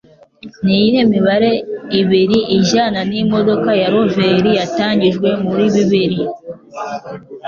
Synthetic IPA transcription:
nijiɾemiβaɾe̞iβiɾiʔiʒananimo̞dokajaɾo̞veɾijataːɲɟiʒɡwe̞muɾiβiβiɾi

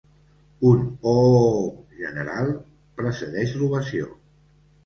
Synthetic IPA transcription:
uno | ʒənəɾalˠ | pɾəsəðɛʃruβəsio̰

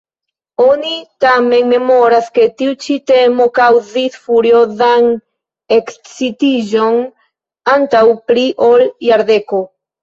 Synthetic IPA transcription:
onit̪ameŋmemoɾasket̪iwt͡ʃit̪emokawðisfuɾjoðaŋ | eksit̪iʒoŋ | ant̪awpɾiʔoljaɾðeko

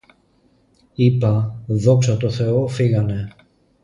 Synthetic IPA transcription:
ipɐðo̞ksɐt̪o̞θe̞o̞fiɣɐne̞

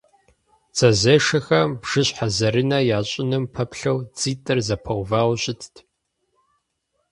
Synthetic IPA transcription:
t͡sʰʼɐzɐʂɐxɐmbʒ̥ɨɕħazɐɾɨnɐjaːɕʼɪnɨmpʰɐpɬɐwt͡sʼiːtʼɨrzɐpʰɐwvaːwɕʼɪtʰtʰ

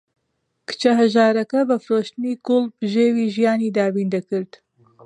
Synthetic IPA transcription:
kɨ̥t͡ʃɐɦɐʒaːɾɐkɐbɐfɨɾoːʃt̪ɨniːɡʊlˠbɨʒeːwiːʒijaːniːd̪aːbiːnd̪ɐkɨɾd̪̥

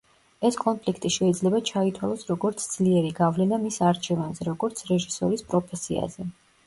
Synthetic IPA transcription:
ɛskʼɔnpʰlikʰt̪ʼiʃɛid̪zlɛbat͡ʃʰait̪ʰwalˠɔsɾɔɡɔɾt̪sʰd̪z̥liɛɾiɡavlɛnamisaɾt͡ʃʰɛvanzɛɾɔɡɔɾt̪sʰɾɛʒisɔɾispʼɾɔpʰɛsia̰zɛ

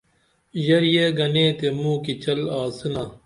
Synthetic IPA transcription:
jɐɾjeːɡɐnẽːt̪emũːkit͡ɕɐlaːsɨnaː

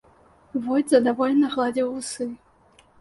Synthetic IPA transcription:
vɔjd̪zɐd̪avɔlʲɛnɐɣlˠad͡zʲiwusɨ

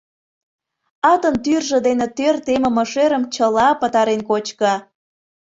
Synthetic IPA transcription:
ɑt̪ənt̪yrʒə̆d̪enet̪ørt̪eməməʃeɾəmt͡ɕəlɑpət̪ɑɾenkot͡ɕkə

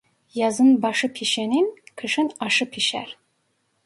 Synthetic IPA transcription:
jɑzɨnbɑʃɯpʰiʃeninkʰɯʃɯnɑʃɯpʰiʃæ̰ɾ

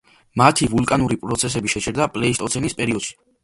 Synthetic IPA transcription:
mat̪ʰivulˠkʼanuɾipʼɾɔt̪sʰɛs̬ɛbiʃɛt͡ʃʰɛɾd̪apʼlɛist̪ʼɔt̪sʰɛnispʼɛɾiɔd̪̥ʃi̥

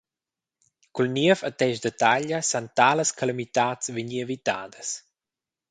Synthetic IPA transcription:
kulniəfat̪ɛʃd̪et̪aʎəsant̪aːləskalamit̪aːt͡sveɲievit̪a̰ːdəs

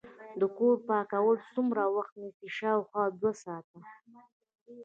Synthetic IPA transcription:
d̪əkoɾpɑkawəlsumɾawaxt̪nisiʃɑwxwɑd̪wasɑt̪a

